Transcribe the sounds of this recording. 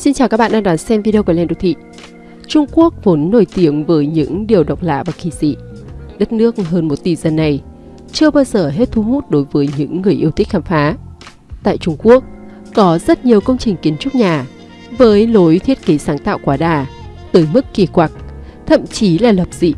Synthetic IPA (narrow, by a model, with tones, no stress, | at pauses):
si˧nt͡ɕaː˨˩wkaː˦˥ɓaː˧˨ɗaː˧ɗwa˨˦nsɛ˧mvi˧i˧ə˧wkwlɛ˧˩nɗo̰˨˧˩t̪ʰḭ˧˨ | t͡ɕʊ˧ŋ͡mku˦˥ək̚vo˨˦nːo˧˩jt̪i˨˦əmvəː˨˦jɲɨ̰˧˥ŋɗi˨˩əwɗa˨˩wk͡p̚la̰ː˧˨vaː˨˩ki˧˩zḭ˧˨ɗə˦˥t̚nɨ˦˥ək̚ɦəː˧nmo˨˩t̚t̪i˨˩zə˨˩nːa˨˩j | t͡ɕɨ˧əɓaː˧wzəː˨˩ɦe˦˥t̚t̪ʰu˨˦ɦu˦˥t̚ɗo˨˦jvəː˨˦jɲɨ̰˧˥ŋːɨ˨˩əjʔi˧ət̪ʰï˦˥k̟̚haː˧˩mfaː˨˦ | t̪a̰ː˧˨jt͡ɕʊ˧ŋ͡mku˦˥ək̚ | kɔ˨˦zə˦˥t̚ɲi˨˩əwkə˧wŋ͡mt͡ɕï˨˩ŋ̟ki˨˦ənt͡ɕʊ˦˥k͡p̚ɲaː˨˩ | vəː˨˦jlo˨˦jt̪ʰi˦˥ət̚ki˨˦saː˨˦ŋt̪a̰ː˧˨wkwaː˨˦ɗaː˨˩ | t̪ɨː˨˦jmɨ˦˥kːi˧˩kwaː˨˩k̚t̪ʰə̰˧˨mt͡ɕi˨˦laː˨˩lə˨˩p̚z̥ḭ˧˨